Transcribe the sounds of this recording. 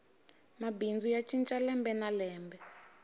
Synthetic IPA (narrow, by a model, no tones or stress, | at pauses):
mabind͡zujat͡ʃʼint͡ʃʼalɛmbɛnalɛːmbɛ